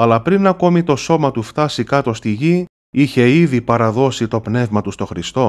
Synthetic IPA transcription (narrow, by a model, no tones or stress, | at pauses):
ɐlɐpɾinɐko̞mit̪o̞so̞mɐt̪uft̪ɐsikɐt̪o̞st̪iʝi | içe̞iðipɐɾɐðo̞sit̪o̞pne̞vmɐt̪ust̪o̞xɾist̪o̞